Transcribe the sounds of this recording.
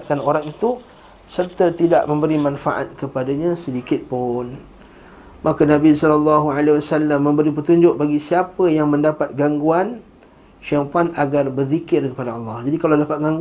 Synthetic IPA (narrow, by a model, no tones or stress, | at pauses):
t̪̚kanoɾaŋit̪u | sərt̪ət̪ida̰ʔmə̃mbəɾimãnfaʔa̰t̪̚kəpadaɲãsədikɪt̪̚pʊn | makənãbisɔlɔlːɑɦualewasalːamːə̃mbəɾipərt̪uɲd͡ʒʊʔ̚baɡisiapəjaŋmə̃ndapat̪̚ɡaŋɡuan | ʃapanaɡarbərðikɪrkəpadaɑlːɑhd͡ʒadikaladapat̪̚ɡaŋɡ